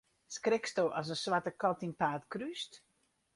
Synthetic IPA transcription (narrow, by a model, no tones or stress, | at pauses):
skrɪkstowʔɔs̬ənswatəkɔtinpaːtkryst